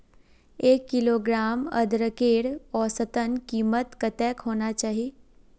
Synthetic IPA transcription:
eːkːiloɡɾaːmə̰d̪ɾəkeːɽɔsət̪ənkiːmət̪kət̪ɛːkɦoːnat͡ʃaːɦi

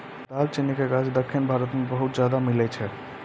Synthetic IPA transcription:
d̪alt͡ʃinikeɡad͡ʒd̪əkʰːinbʱaɾət̪mebəɦut̪̚d͡ʒjad̪amilɛt͡ʃʰɛ

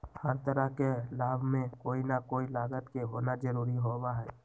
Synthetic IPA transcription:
həɾt̪əɾəkelaːbmẽkoːinakoːilaːɡət̪keɦoːnad͡ʒəɾuːɾiɦoːwaɦɛː

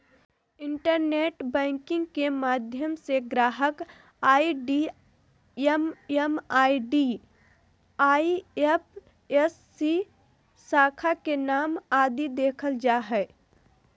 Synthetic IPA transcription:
ɪ̃ɳʈəɾneːʈbɛ̃ːŋkɪ̃ŋɡkemaːd̪ʱjəmseɡɾaːɦək | aːiɖi | ememaːiɖiː | aːiepʰ | esːi | saːkʰakenaːmaːd̪id̪eːkʰəld͡ʒaːɦɛː

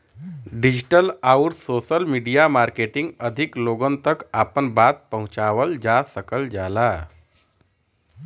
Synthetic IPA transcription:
ɖid͡ʑʈəlawʈsoːsəlmiːɖijamaːɾkeʈɪ̃ŋɡəd̪ʱikloɡənt̪əkaːpənbaːt̪̚pəɦũʊ̃t͡ʃaʋəld͡ʒasəkəld͡ʒaːla

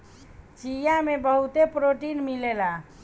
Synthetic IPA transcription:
t͡ʃijamebəɦut̪epɾoʈinmilela

